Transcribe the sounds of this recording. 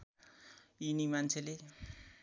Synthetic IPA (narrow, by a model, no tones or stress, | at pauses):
inimant͡sʰele